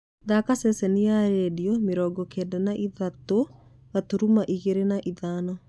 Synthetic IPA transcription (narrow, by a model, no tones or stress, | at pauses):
ðakasɛsɛnijaɾɛdiɔmeɾɔːɡɔkʰɛdanaʔiðato | ɣatuɾumaʔiɣeɾenaʔiðaːnɔ